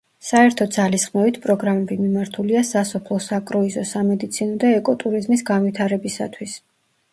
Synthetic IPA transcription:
saɛɾt̪ʰɔd̪zalisχmɛvit̪ʰpʼɾɔɡɾamɛbimimaɾt̪ʰuliasasɔpʰlˠɔsakʼɾɔizɔsamɛd̪it̪sʰinɔd̪aɛkʼɔt̪ʼuɾizmisɡanwit̪ʰaɾɛbisa̰t̪ʰwis

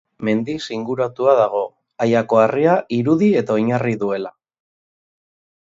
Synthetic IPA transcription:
me̞nd̪isiŋɡuɾat̪uað̞aɣ̞o̞ | ajako̞ariaʔiɾuðie̞t̪ao̞jɲariðue̞la

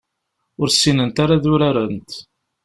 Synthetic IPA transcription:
ʊɾsːinənt̪aɾaðʊɾaɾənt̪

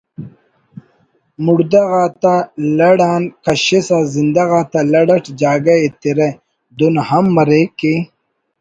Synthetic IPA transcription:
muɽd̪ɐɣaːt̪alɐɽaːnkɐɕesazind̪ɐɣaːt̪alɐɽɐʈd͡ʑaːɡɐet̪iɾe | d̪unhɐmːɐɾeki

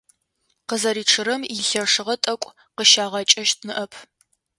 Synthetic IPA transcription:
qəzɐɾiːʈ͡ʂʰɨɾɐmiɬɐʂɨʁɐtʼɐkʷʼ | qəʃaːʁɐt͡ʃʼɐʃt̚ʰnɨʔɐpʰ

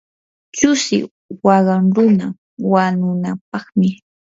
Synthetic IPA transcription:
t͡ʃʊsɪ̰ | wɑɢɑŋɾʊna | wanʊnap̚ɑχmɪ

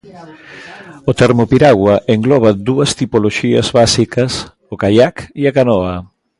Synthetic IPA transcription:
ot̪ɛɾmopiɾaɣwaʔeŋɡlɔβ̞ad̪uɐst̪ipoloʃiɐ̰zβasikɐs | okajakiakanɔa

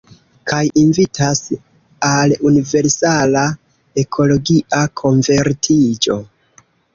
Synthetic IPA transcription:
kʰajinvitʰas | alunive̞ɾsala | e̞kʰo̞lo̞ɡiʔakʰo̞nve̞ɾtʰid͡ʒo̞̰

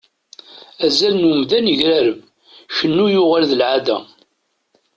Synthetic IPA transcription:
æzælnəmðænəʝɾæɾəv | çənːujʊʁalðəlʕad̪æ

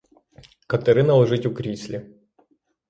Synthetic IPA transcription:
kɐt̪ɛɾɨnɐlˠɐʐɨtʲʊkɾʲisʲlʲɪ

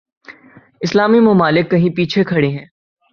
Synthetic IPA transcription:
ɪslaːmimʊmaːlɪkːɐɦĩpiːt͡ʃʰekʰɐɽeɦɛ̃ː

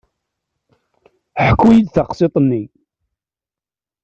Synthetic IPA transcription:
ħəkːujid̪θɑqset̪ˤənːi

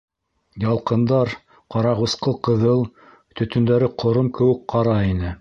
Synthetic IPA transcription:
jɑlˠqɤ̆nd̪ɑɾ | qɑɾɑʁusqɤqɤ̆ðɤlˠ | t̪ɵ̆t̪ɵ̆nd̪æɾɘqʰŏɾomkɘ̆wɘ̆k̚qɑɾɑinɘ

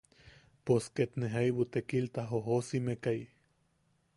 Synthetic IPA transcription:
posket̪neɦaiwot̪ekilt̪aɦoɦosimekai

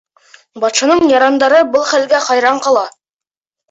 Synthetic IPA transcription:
bɑt̪ʃɑnɤɴjɑɾɑnd̪ɑɾɤbɤlˠχælɡæχɑjɾɑɴqɑlˠɑ

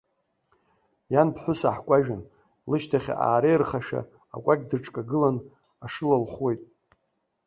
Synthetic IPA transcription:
janpʰħʷʊsaħkʷʼaʒᶣan | lɨʃtʰaχʲa̰a̰ːɾejrχaʃᶣa̰ | a̰kʷʼakʲʼdɨʈ͡ʂʼkʼaɡɨlan | aʂɨlalχwe̞jtʼ

